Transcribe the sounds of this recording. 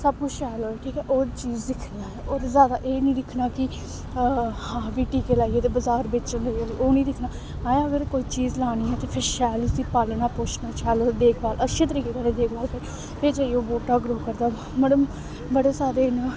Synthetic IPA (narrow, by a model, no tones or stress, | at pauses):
səb̚kʊt͡ʃt͡ʃɛːloːkiːkɛːʔoːɾt͡ʃiːzd̪ɪkʰnijaːɛoːɾzjaːd̪aːʔeːnĩːd̪ɪkʰnaːkɪ | hãːʋiːʈiːkeːlaːieːt̪eːbəzaːɾbet͡ʃənlaːiaːliʔoːnĩːd̪ɪkʰnaː | aj̃əɡəɾkoːiːt͡ʃiːzlaːniːɛːt̪eːpʰɪɾʃɛːlsiːpaːleːnaːpoːt͡ʃʰnãt͡ʃʰɛːloːd̪eːkʰbaːlʔətːʃʰẽːt̪əɾiːkeːkanẽːd̪eːkʰbaːlpʰɪɾ | beːd͡ʒəːiõːbuːʈaːɡɾoːkəɾd̪aː | məɽəm | bəɽeːsaːɾeːɪnũː